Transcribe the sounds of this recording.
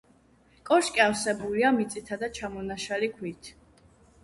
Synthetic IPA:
kʼɔɾʃkʼiafsɛbuliamit̪sʼit̪ʰad̪at͡ʃʰamɔnaʃalikʰwit̪ʰ

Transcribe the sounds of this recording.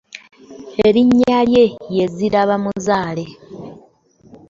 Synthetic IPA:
eɾiɲːalje̞je̞ziɾaβamunzaːle̞

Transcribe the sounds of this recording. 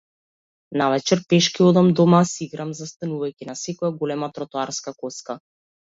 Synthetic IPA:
navɛt͡ʃɛɾpɛʃkiɔd̪amd̪ɔmasiɡɾamzast̪anuvajcʲinasɛkɔjaɡɔlɛmat̪ɾɔt̪ɔaɾskakɔska

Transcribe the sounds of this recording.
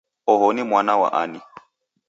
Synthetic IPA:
ɔɦɔnimwanawa̰ʔa̰ni

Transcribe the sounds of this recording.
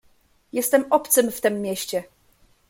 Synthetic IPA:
jɛst̪ɛmɔpt̪sɘmft̪ɛmːʲjeɕt͡ɕɛ

